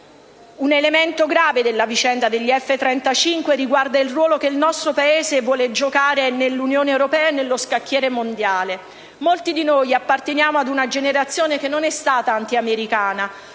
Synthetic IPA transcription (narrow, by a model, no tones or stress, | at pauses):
unelement̪oɡɾaːved̪elːavit͡ʃɛnd̪ad̪eʎːiɛfːet̪ɾɛnt̪at͡ʃiŋkweriɡward̪ailrwɔːlokeilnɔst̪ɾopaeːzevwɔːled͡ʒokaːɾenelːunjoːneewɾopɛːanelːoskakːjɛːɾemond̪jaːle | molt̪id̪inojapːart̪enjaːmoad̪unad͡ʒeneɾat̪sːjoːnekenːonɛst̪aːt̪aant̪iameɾikaːna